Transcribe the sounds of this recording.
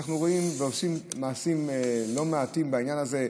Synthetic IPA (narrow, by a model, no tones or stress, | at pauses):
χnuʁo̞imveo̞simːaːsimlo̞meatimbaiɲjanaze̞